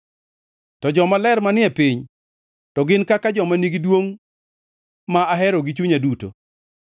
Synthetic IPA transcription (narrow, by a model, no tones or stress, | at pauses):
tɔd͡ʒɔmalɛrmanɪɛpiɲ | tɔɡɪnkakad͡ʒɔmaniɡidwoŋ | maaɦɛɾoɡit͡ʃuɲaduto̰